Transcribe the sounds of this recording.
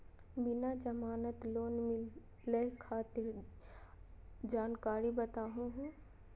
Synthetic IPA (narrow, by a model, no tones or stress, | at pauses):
bɪnad͡ʒɐmaːnət̪loːnmɪl | ləkʰaːt̪ɪɾ | d͡ʒaːnkaːɾibɐt̪aːɦũɦũː